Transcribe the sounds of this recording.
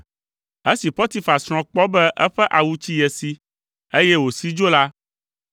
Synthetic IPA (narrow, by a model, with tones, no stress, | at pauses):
e˦si˨ɸɔ˦t̪i˨fa˨ssɾ̃ɔ̃˨k͡pɔ˦bɛ˦ʔɛ˦ɸɛ˦ʔa˨wu˦t͡ɕi˦jɛ˨si˦ | e˦jɛ˦wo˨si˦d͡ʒo˦la˦